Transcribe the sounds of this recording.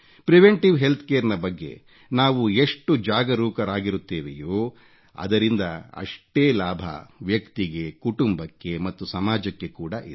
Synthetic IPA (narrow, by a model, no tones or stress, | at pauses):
pɾiʋeɳʈiʋɦe̞lt̪ʰkeːɐɾnɐbɐɡːe̞̰ | naːʋue̞ʂʈud͡ʒaːɡɐɾuːkɐɾaːɡiɾut̪ːeːʋḛjoː | ɐ̰d̪ɐɾind̪ɐɐ̰ʂʈeːlaːbʱɐ̰ʋjɐkt̪iɡe̞kuʈumbɐkːe̞mɐt̪ːusɐmaːd͡ʒɐkːe̞kuːɽɐʔid̪